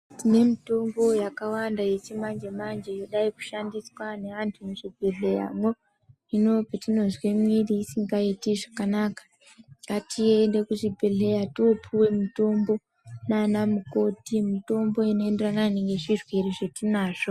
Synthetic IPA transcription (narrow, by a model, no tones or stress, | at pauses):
tine̞mito̞mbo̞jakawandaje̞t͡ʃimand͡ʒe̞mand͡ʒejo̞ɗaiku̥ʃandiswane̞antʰuneʐibʱeɮe̞ja̰mo | ino̞petino̞zwemwiriːsiŋɡaitiʐakanaːkḁ | atʰiendekuʐibʱeɮe̞jatiopʰuwe̞mito̞mbo̞ | nanamuko̞timito̞mbo̞ino̞e̞nderananeŋɡe̞ʐirweriʐetinaːʐo